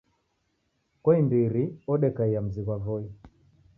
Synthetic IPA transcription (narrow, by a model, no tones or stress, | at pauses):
kɔimbiɾiɔɗɛkaiam̩ziɣwavɔi